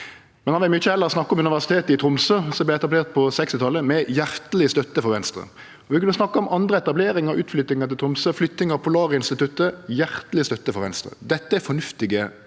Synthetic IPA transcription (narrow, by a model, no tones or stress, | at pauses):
mɛnhɑnʋɪlmyçəɛlːəʁsnɑkːɔmʉnɪʋæʁsɪ̥t̪eːt̪ɪt̪ʰɾʊmsøːsɔmblɛɛt̪ɑbleːʁt̪̚pʰɔsɛkst̪ɪt̪ʰɑlːəmɛjæɾʁt̪əlɪəst̪œt̪ːəfɔɾʋɛnst̪ɾə̰ | ɔʋɪkʉnːəsnɑkːəɔmʔɑnd̪ɾəɛt̪ɑbleːɾɪŋəʁʔʉːt̪flʏt̪ɪŋəʁt̪ɪt̪ɾʊmsøːflʏt̪ːnɪŋəpʰʊlɑːʁəɪnst̪ɪt̪ʉt̪ːəjæʁt̪əlɪəst̪œt̪ːəfɔʁʋɛ̰nst̪ɾə̰d̪ɛt̪ːəɛfɔnʉft̪ɪɡə